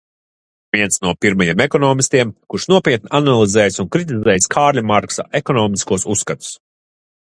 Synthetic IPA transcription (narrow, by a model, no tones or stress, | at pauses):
vʲiɛnsnuɔpiɾmajeɛmekɔnɔːmist̪ʲiɛmkuɾʃnuɔpʲiɛt̪̚nianalˠizɛːjsunkɾit̪izɛːjskʰaːɾʎʲamaɾksa̰ʔekɔnɔːmiskuɔsusːkat̪u̥s